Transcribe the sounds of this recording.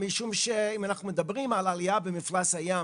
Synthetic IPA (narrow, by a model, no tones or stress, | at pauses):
miʃumʃeimanaχnumed̪abʁimalaliabemiflasaja